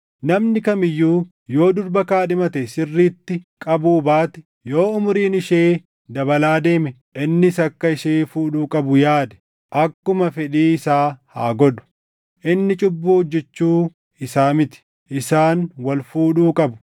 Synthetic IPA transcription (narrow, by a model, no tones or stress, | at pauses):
nɐmnɪkɐmɪjːuː | jo̞ːd̪ʊɾbɐkaːᶑɪmɐt̪ɛsɪrːiːt̪ːɪkʼɐbuːbaːt̪ɛ̥ | jo̞ːʊmʊɾiːnɪʃeː | d̪ɐbɐlaːd̪e̞ːmɛ | ʔɪnːɪsɐkːɐɪʃeːfuːᶑuːkʼɐbʊjaːd̪ɛ̥ | ʔɐkːʊmɐfɛᶑiːɪsaːha̰ːɡɔᶑʊ̥ | ʔɪnːɪt͡ʃʼʊbːuːhʊd͡ʒːɛt͡ʃːuː | ɪsaːmɪt̪ɪ̥ | ʔɪsaːnwɐlfuːᶑuːkʼɐbʊ̥